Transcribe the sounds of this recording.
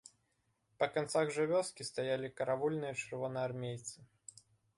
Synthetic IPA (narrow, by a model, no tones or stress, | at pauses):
pɐkant̪saɣʐɨvʲɔskʲist̪ajalʲikɐɾavulʲnɨjɐt͡ʂɨrvɔnɨjarmʲejt̪sɨ